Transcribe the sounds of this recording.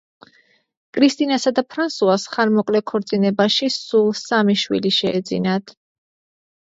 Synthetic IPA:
kʼɾist̪ʼinasad̪apʰɾansuasχaɾmɔkʼlɛkʰɔɾt̪sʼinɛbaʃisulˠsamiʃwḭliʃɛːd̪zḭnat̪ʰ

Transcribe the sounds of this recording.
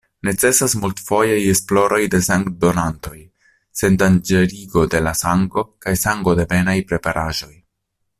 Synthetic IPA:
ne̞t͡se̞sasmultfo̞jaje̞splo̞ɾo̞jde̞saŋkdo̞nanto̞j | se̞ndand͡ʒe̞ɾiɡo̞de̞lasaŋɡo̞kajsaŋɡo̞de̞be̞najpɾe̞paɾʔaʒo̞j

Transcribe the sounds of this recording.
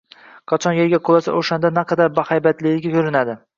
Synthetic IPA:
qʰɑt͡ʃʰɒnjeɾɡʲaqʰolˠasa̰ʔoʃand̪anaqʰɑd̪aɾbahajbat̪lɪɪɡʲakʰɵɾɪnad̪ɪ

